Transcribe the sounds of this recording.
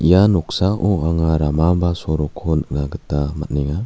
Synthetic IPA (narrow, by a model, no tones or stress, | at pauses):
ʔijanɔksaʔɔaŋaɾamabasɔɾɔkʰɔnnaɡɯtama̰t̚niŋa